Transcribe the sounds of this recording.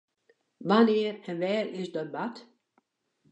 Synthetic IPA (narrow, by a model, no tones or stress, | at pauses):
ʋanɪərənʋɛːrɪsdɔt̚bat